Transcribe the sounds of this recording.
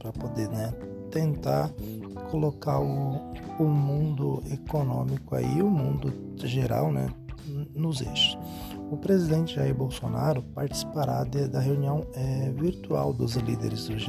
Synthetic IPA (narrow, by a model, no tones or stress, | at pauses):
pɾɐpod̪enɛ | t̪ẽnt̪aɾ | kʰolokaɾʊʊmũnd̪ʊekonõmikʊa̰ḭʊmũnd̪ʊ | ʒeɾa̰wnɛ̰nʊzḛʃʊ̥ | ʊpɾezid̪ẽnt͡ʃɪʒaiɾbowsonaɾʊpaɾt͡ʃi̥si̥paɾad̪ɛd̪ɐɦeuniɐ̃w̃ɛviɾt̪ua̰wd̪ʊzlḭd̪ḛɾɪzd̪ʊʒ